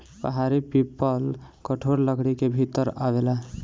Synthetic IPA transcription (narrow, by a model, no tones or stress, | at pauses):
pə̰ɦaɾipipːəlkəʈʰoɾləɡɽikebʱit̪əɾa̰ʋela